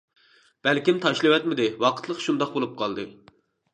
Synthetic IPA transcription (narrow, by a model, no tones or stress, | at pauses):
b̥ɛlkʲimt̪ʰɑʃlˠɨwɛt̪mɪd̪ɪwɑqʰə̥t̪ʰlˠəqʃund̪ɑqbolˠup̚qʰɑlˠd̪ɨ